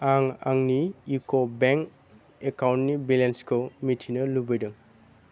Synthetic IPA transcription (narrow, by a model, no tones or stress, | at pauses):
aŋa̰ŋniːkobeŋk | ekawntnibilenskʰɯmitʰinɐlubɯjdɯŋ